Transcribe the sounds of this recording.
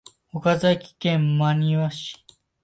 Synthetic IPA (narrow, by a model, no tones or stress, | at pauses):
okazaikʲi̥kẽmmaɲ̟iβaɕi̥